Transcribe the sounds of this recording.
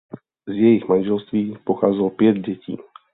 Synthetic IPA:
zjɛjɪɣmanʒɛlst̪viːpoxaːzɛlpjɛd̪̚ɟɛcḭː

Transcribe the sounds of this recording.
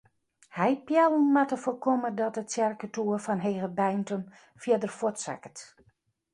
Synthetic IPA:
hɛjpjɛlˠnmatəfokomədɔtətsjɛrkətuəfɔnɦeːɣəbɛjntən | fjɪdərfotsa̰kət

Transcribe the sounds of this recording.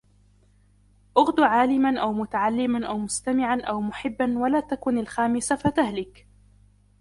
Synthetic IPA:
ʔʊɣd̪ʕaːlɪmanʔawmʊt̪aʕalːɪmanʔawmʊst̪amɪʕanʔawmʊħɪbːanwalaːt̪akʊnalxaːmɪsafat̪ahlɪk

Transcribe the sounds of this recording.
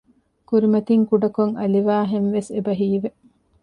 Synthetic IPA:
kuɾimɐt̪iŋkuɖɐkoŋɐliʋaːɦenʋesebɐɦiːʋe

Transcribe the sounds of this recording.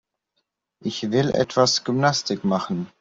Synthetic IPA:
ʔɪçvɪlʔɛ̰tv̥asɡ̥ʏmnastɪkmaχn̩

